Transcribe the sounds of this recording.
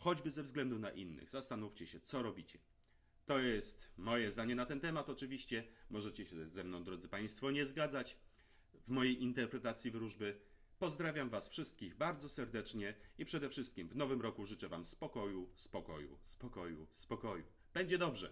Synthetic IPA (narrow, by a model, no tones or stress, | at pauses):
xɔd͡ʑbɘzɛvzɡlɛnd̪una̰ʔḭnːɘ̰ɣzast̪anuft͡ɕɛɕɛt̪sɔɾɔbʲit͡ɕɛ̥ | t̪ɔjɛst̪mɔjɛzd̪aɲɛnat̪ɛnt̪ɛmat̪ɔt͡ʂɘvʲiɕt͡ɕɛmɔʐɛt͡ɕɛɕɛzɛmnɔ̃w̃d̪ɾɔd̪zɘpaj̃st̪fɔɲɛzɡad̪zat͡ɕ | vmɔjejʔint̪ɛɾpɾɛt̪at̪sʲjivɾuʐbɘ | pɔzd̪ɾavʲjamvasfʂɘst̪̚kʲiɣbaɾd̪zɔsɛɾd̪ɛt͡ʂɲɛipʂɛd̪ɛfʂɘst̪̚kʲimvnɔvɘmɾɔkuʐɘt͡ʂɛvamspɔkɔjuspɔkɔ̰jṵspɔkɔjṵspɔkɔjṵ | b̥ɛɲd͡ʑɛd̪ɔbʐɛ̰